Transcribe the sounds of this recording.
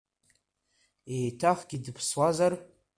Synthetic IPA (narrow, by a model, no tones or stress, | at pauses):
ejtʰaχɡ̥ʲidɨpʰswazar